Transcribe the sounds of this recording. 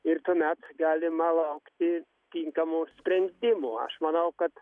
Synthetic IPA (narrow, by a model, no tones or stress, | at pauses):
ɪɾt̪uːmʲæt̪ɡɑːlʲɪmɐlˠɐʊkt̪ʲɪ | t̪ʲiŋkɐmuːsʲpʲɾʲɛnʲd̪ʲɪmuɐ̰ʃmɐnɐʊkɐt̪